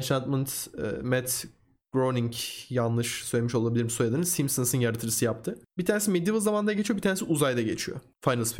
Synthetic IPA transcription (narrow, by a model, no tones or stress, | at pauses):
nʃant̪mɯnt̪ːmɛt̪ | ɡ̥ɾoniŋcjanlˠɯʃsøjlʲemiʃo̞lˠabilʲiɾimsojad̪anɯsimsɯnsɯnjaɾɯt̪ʰɯɾɯsɯjap̚t̪ʰɯbit̪ʰaːnesimed̪ivɯzamand̪aɟet͡ʃʰijobit̪ʰaːnesuzajd̪aɟe̞t͡ʃʰijo̰ | fajnɯlˠsfi